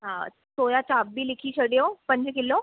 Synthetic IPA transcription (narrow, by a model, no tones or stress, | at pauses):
ɦã | sojat͡ɕabbiːlikʰiːɕəɽjopəɲd͡ʑkelo